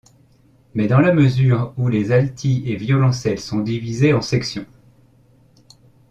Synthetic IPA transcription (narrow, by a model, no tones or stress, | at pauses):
mɛd̪ɑ̃laməzyːʁulezalt̪ʰievjɔlɑ̃sɛlsɔ̃d̪ivizeɑ̃sɛksjɔ̃